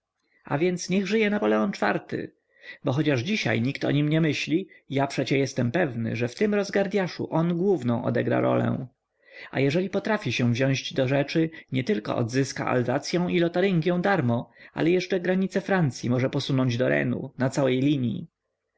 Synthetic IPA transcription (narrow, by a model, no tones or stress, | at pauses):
a̰vʲjɛnt̪sɲɛɣʐɘjɛnapɔlɛɔnt͡ʂfa̰ɾt̪ɘ̰ | bɔxɔt͡ɕaʐd͡ʑiɕa̰jɲikt̪ɔ̰ɲimɲɛmɘɕlʲijapʂɛt͡ɕɛjɛst̪ɛmpɛvnɘ̰ʐɛft̪ɘmɾɔzɡaɾd̪ʲjaʂṵʔɔnɡwuvnɔ̃w̃ʔɔ̰d̪ɛɡɾa̰ɾɔ̰lɛ̰w̃ | a̰jɛʐɛlʲipɔt̪ɾafʲiɕɛ̃vʑɔ̃w̃ʑd͡ʑd̪ɔʐɛt͡ʂɘɲɛt̪ɘlkɔ̰ʔɔ̰d̪zɘska̰ʔa̰lzat̪sʲjɔ̃w̃ilɔt̪aɾiŋɡʲjɛ̃w̃d̪aɾmɔʔa̰lɛjɛʂt͡ʂɛɡɾaɲit̪sɛfɾant̪sʲjimɔʐɛpɔsunɔɲd͡ʑd̪ɔɾɛ̰nṵnat̪sawɛjlʲiɲjḭ